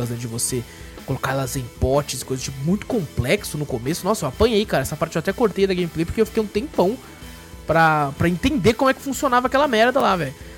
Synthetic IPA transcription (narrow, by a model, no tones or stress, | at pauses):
ɐzɛ̃d͡ʒɪvose | kolokaɾɛlɐzẽj̃pɔt͡ʃɪsɪ̥kojzɐzt͡ʃipʊmũj̃t̪ʊ̥kõmplɛksʊnʊkomesʊnɔsɐewapɐ̃ɲejkaɾɐɛsɐpaɾt͡ʃɪewat̪ɛkoɾt̪ejɐd̪ɐɡẽjmiplejpoɾkeewfi̥kejũt̪ẽmpɐ̃w̃ | pɾɐpɾɐẽnt̪ẽnd̪ekõmʊɛkɪ̥fũsionavɐakɛlɐmɛɾd̪ɐlavɛjʊ